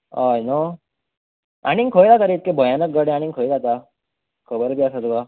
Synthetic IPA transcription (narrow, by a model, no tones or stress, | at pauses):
ɔjno | a̰ɽ̃iŋkʰojlat̪aɾeit̪̚kebʱəjanək̚ɡəɽẽaɽ̃iŋkʰojlat̪a | kʰəbəɾbʱiasat̪uɡa